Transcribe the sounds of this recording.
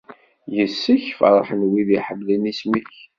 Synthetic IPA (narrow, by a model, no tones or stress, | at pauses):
jəsːəçfə̰ɾˤəħənwiðiħəmːlinismiç